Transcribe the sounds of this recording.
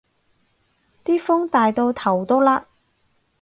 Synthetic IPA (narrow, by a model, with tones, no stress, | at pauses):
t̪iː˥fʊ˥ŋt̪aː˨jt̪o˧wt̪ʰɐ˨˩wt̪ɔː˥laː˧